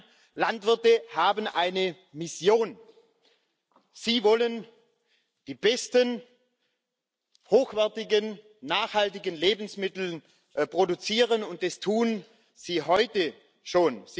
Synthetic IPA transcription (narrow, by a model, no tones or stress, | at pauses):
lantv̥ɪɐtəhaːbən̩ʔaɪnə | mɪsjoːn | z̥iːvɔlən | d̥iːbɛstən | hoːxv̥ɛɐtɪɡənː | aːxhaltɪɡənleːbn̩smɪtl̩ | pʁ̥odut͡siːʁ̞ənʊnt̚d̥astʰuːn | z̥iːɦɔʏtə | ʃoːnz